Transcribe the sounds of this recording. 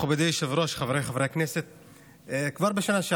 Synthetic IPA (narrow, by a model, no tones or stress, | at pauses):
obed̪ijʃevɾoʃχavʁejχavʁeakneset̪̚ː | kvaʁbeʃanaʃe